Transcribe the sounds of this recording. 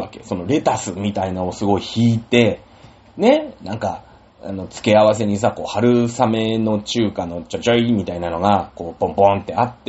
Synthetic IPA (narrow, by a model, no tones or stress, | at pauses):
ake̞̰so̞no̞ɾe̞t̪asɨmʲit̪ainao̞sɨɡo̞içiːt̪e̞ | ne̞nãŋka | a̰no̞t͡sɨ̥ke̞aβ̞as̬e̞ɲ̟is̬ako̞ːhaɾɯ̟same̞no̞t͡ɕɨːkano̞t͡ɕat͡ɕoimʲit̪ainano̞ɡako̞ːpõmpõnt̪ːe̞at̪ːe